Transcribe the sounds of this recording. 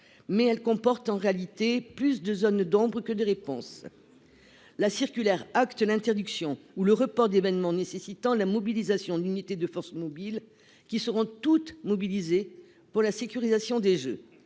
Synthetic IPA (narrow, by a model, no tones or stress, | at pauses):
mɛɛlkɔ̃pɔʁt̪ɑ̃ʁealit̪eplysd̪əzɔnd̪ɔ̃bʁəkəd̪əʁepɔ̃s | lasiʁkʲylɛʁakt̪lɛ̃t̪ɛʁd̪yksjɔ̃uləʁəpɔʁd̪evɛnmɑ̃nesesit̪ɑ̃lamɔbilizasjɔ̃d̪ynit̪ed̪əfɔʁsmɔbil | kʲisəʁɔ̃t̪ut̪mɔbilize | puʁlasekʲyʁizasjɔ̃d̪eʒø